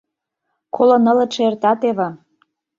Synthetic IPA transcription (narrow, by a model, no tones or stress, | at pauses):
kʰolɤ̆nɤ̆lə̆t͡ʃeert̪ɑt̪eβə̆